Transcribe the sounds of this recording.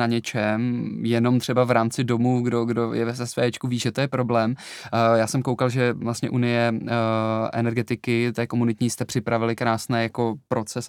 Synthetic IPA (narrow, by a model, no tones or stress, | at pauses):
aɲɛt͡ʃɛmjɛno̞mt̪r̝̥ɛbavɾaːmt͡sɪdo̞muːɡdo̞ɡdojɛvɛzɛsʋɛːɛt͡ʃkuviːʒɛt̪ojɛpɾo̞blɛːmjaːsɛmko̞wkalʒɛvlast̪ɲɛʔunɪjɛ | ʔɛ̰nɛɾɡɛt̪ɪkɪt̪ɛːkomunɪt̪ɲist̪ɛpr̝̥ɪpɾavɪlɪkɾaːsnɛːjako̞pɾo̞t͡sɛs